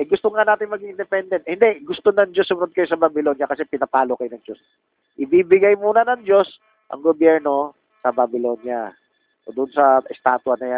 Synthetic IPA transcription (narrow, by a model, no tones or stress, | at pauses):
ʔɛjɡʊst̪oŋanaːt̪ɪnmɐɡiŋʔɪnd̪ɛpɛnd̪ɛnt̪̚hɪnd̪ɛʔɡʊst̪onɐŋd͡ʒosːʊmɐnod̪̚kɐjosɐbɐbɪlo̞njɐkɐsɛpɪnɐpaːlokɐjonɐŋd͡ʒos | ʔɪbibɪɡajmuːnɐnɐŋd͡ʒo̞s | ʔɐ̰ŋɡobjɛɹno̞ | sɐbɐbɪlo̞nja | od̪ʊnsɐʔɛst̪aːt̪wɐnɐjan